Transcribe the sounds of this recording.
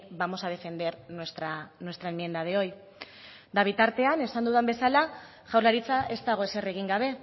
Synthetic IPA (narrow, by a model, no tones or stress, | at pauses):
bamo̞sað̞e̞fe̞nd̪e̞ɾnwest̪ɾanwe̞st̪ɾaemie̞nd̪að̞eo̞j | d̪aβ̞it̪aɾt̪e̞ane̞sand̪uðambe̞sala | ʝawɾlaɾit͡saʔe̞st̪aɣ̞o̞e̞se̞re̞ɣ̞iŋɡaβ̞e̞